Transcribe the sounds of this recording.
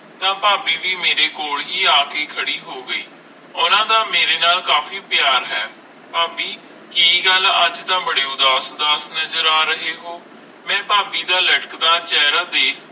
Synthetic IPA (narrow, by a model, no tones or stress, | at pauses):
t̪ãːpaːbiːʋiːmeːɾeːkoːɭɦiːaːkeːkʰəɽiːɦoːɡəiː | ʊnãːd̪aːmeːɾeːnaːlkaːfiːpjaːɾɦɛː | paːbiː | kiɡələd͡ʒt̪ãːbəɽeːʊd̪aːsd̪aːsnəzəɾaːɾəɦeːɦoː | mɛ̃ːpaːbiːd̪aːləʈəkd̪aːt͡ʃɛːɾaːd̪eː